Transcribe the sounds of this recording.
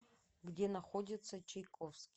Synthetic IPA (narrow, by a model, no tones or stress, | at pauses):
ɡdʲe̞naχodʲɪt̪sʰɐt͡ʃʰejkʼofskʲ